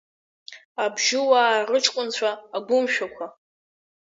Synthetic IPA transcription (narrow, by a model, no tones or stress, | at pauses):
abʒɪwaːrɨʈ͡ʂʼkʷʼʊnt͡ɕʷʰaːɡʷʊmʃᶣakʷʰa